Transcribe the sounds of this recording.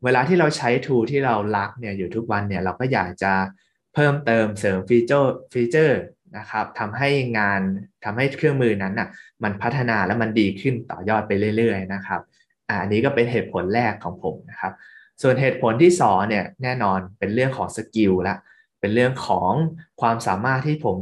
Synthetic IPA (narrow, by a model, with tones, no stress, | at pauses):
weː˧laː˧t̪ʰiː˥ɾa˧wt͡ɕʰa˦˥jt̪ʰuː˧t̪ʰiː˥˩ɾa˧wla˦˥k̚ni˥˩ɐjuː˨˩t̪ʰu˦˥k̚wa˧nːi˥˩ɐɾa˧wkɔː˥˩jaː˨˩k̚t͡ɕa˨˩ | pʰɤː˥˩mt̪ɤː˧msɤː˩˦mfiː˧t͡ɕɤː˥˩fiː˧t͡ɕɤː˥˩ | na˦˥kʰa˦˥p̚t̪ʰa˧mɦa˥˩jŋaː˧nt̪ʰa˧mha˥˩jkʰɯ˥˩əŋmɯː˧na˦˥nʔa˨˩ma˧npʰa˦˥t̪ʰːa˧naː˧lɛ˦˥ma˧ndiː˧kʰɯ˥˩nt̪ɔ̰ː˨˩jɔː˥˩t̪̚pa˧jɾɯ˥˩əjɾɯ˥˩əjna˦˥kʰa˦˥p̚ | ʔa˧˩ʔa˧nːiː˦˥kɔː˥˩pe˧nɦeː˨˩t̪̚pʰo˩˦nɾɛː˥˩kʰːɔː˩˦ŋpʰo˩˦mna˦˥kʰa˦˥p̚ | su˨˩ənɦeː˨˩t̪̚pʰo˩˦nt̪ʰiː˥˩sɔː˩˦ŋni˥˩ɐnɛː˥˩nɔː˧npe˧nɾɯ˥˩əŋkʰɔː˩˦ŋsa˧ki˧wla˦˥ʔ | pe˧nɾɯ˥˩əŋkʰɔː˩˦ŋkʰwaː˧msaː˩˦maː˥˩t̪ʰːiː˥˩pʰo˩˦m